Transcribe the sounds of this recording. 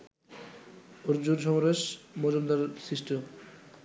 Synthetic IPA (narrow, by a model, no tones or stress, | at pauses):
oɾd͡ʑunʃ̬ɔmɾeʃmɔd͡ʑomd̪aɾsɾiʃʈem